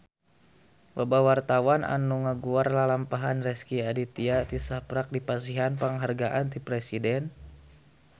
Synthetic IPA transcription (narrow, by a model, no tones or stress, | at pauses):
wəbawart̪awanʔa̰nuŋəɡuarlalampaɦanrɛskiadit̪iat̪isapɾak̚dipasiɦanpəŋɦarɡaʔant̪ipɾɛsidɛn